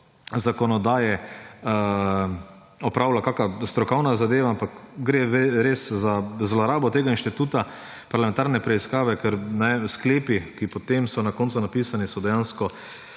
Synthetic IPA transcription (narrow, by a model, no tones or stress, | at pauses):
zakɔnɔd̪aːjɛ | ɔpɾaːʊlakaːkast̪ɾɔkɔwnazad̪eːʋaampakɡɾeːɾeːszazlɔɾaːbɔt̪eːɡainʃt̪it̪uːt̪a | paɾlameɛnt̪aːɾnɛpɾɛiskaːʋɛkɛɾnɛskleːpikipɔt̪emsɔnakont̪sʊnapiːsanisɔd̪ɛjanskɔ